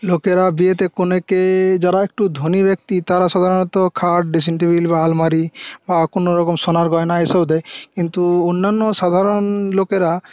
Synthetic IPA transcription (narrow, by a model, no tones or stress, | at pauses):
lokeɾabiet̪̬ekoneked͡ʒaɾaek̚ʈud̪ʱonibek̚t̪it̪aɾasad̪ʱaɾɔnɔt̪ɔkʰaɾʈɖis̬iɳʈibʱilbaalmaɾibakonoɾɔkɔmsonaɾɡɔenaesɔbd̪ɛekint̪uonːanːɔsad̪ʱaɾɔnlokeɾa